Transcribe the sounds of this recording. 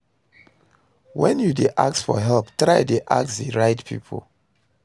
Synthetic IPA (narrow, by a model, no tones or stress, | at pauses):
wɛ̃njudeʔa̰ksfɔ̰ɦɛlptɹaɪdeʔa̰ksðiɹaɪtpʰḭpʰo̰l